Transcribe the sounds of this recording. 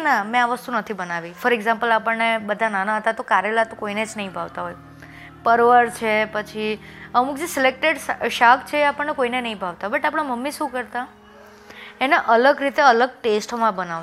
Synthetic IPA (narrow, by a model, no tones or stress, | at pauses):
namẽaʋəst̪unət̪ʰibənaʋifəɾeɡzãmpəlapəɳnebəd̪ʱananaɦət̪at̪okaɾelat̪õkoined͡ʒnəɦĩbʱaʋt̪aɦoj | pəɾʋəɾt͡ʃʰepət͡ʃʰi | əmuk̚d͡ʒesɪlek̚ʈeɖsʃakʰt͡ʃʰeːapəɳnːekoinenəɦĩbʱaʋt̪aɦobəʈapɽ̃aməmːiʃũkəɾt̪a | eneʔələɡɾit̪eələɡ̚ʈesʈmãbənaʋ